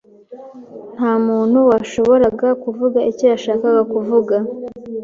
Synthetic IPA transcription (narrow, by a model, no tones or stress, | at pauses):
n̥haːmuːn̥huwaʃo̞βo̞ɾaɡakuvuɡaʔicijaʃaːkaɡakuvuɡa